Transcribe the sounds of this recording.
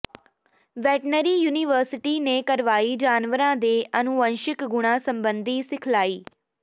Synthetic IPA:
ʋɛːʈnəɾiːjuːniʋəɾsɪʈiːneːkəɾʋaːiːd͡ʒaːnʋəɾãːd̪eːʔənʊənʃɪkɡʊɽ̃ãːsəmbənd̪iːsɪkʰlaːiː

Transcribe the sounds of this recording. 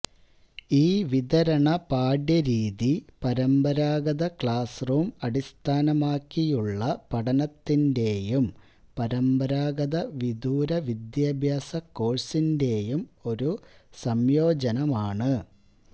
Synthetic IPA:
iːʋid̪ɐɾɐɳɐpaːɖjɐɾiːðipɐɾɐmbɐɾaːɡɐðɐkɭaːsruːmɐɽist̪ʰaːnɐmaːkːijuɭːɐpɐɽɐnɐt̪ːinde̞ːjum | pɐɾɐmbɐɾaːɡɐðɐʋid̪uːɾɐʋid̪jaːbʱjaːsɐkːo̞ːɻsinde̞jumo̞ɾusɐmjo̞ːd͡ʑɐnɐmaːɳɨ

